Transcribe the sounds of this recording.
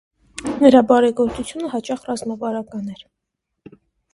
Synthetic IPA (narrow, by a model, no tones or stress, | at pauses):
nəɾɑbɑɾɛɡɔɾt͡sut͡sʰjunəɦɑt͡ʃɑχrɑzmɑvɑɾɑkɑnɛɾ